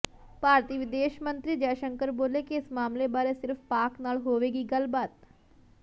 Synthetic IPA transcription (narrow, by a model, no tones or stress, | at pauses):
paːɾt̪iːʋɪd̪eːʃmə̃nt̪ɾiːd͡ʒɛːʃəŋkəɾboːlekiɪsmaːmlebaːɾesɪɾfʰpaːknaːlɦoːʋeːɡiːɡəlbaːt̪